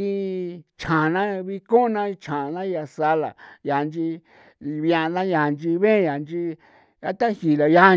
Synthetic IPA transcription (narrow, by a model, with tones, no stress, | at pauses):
i˧t͡ʃʰã˨nã˦βi˧ko˦nã˧i˧t͡ʃʰã˨nã˦ja˧sa˧la̰˨ja˨˧nd͡ʒi˧ | βjã˧nã˦ja˨nd͡ʒi˧βẽ˦ja˨nd͡ʒi˧ | a˦t̪a˦hi˨la˨ja˧˦